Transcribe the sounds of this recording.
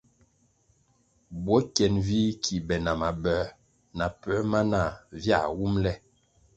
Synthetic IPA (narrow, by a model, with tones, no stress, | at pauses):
bwɔ˨˦kɛ˨nvi˦kʰi˨bɛ˨na˨ma˨bɛ˨˦ | na˨pɛ˦ma˦na˦˨vja̰˦˨wu˦mlɛ˦